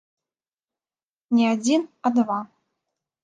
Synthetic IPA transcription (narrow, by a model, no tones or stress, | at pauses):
nʲiad͡zʲinɐd̪va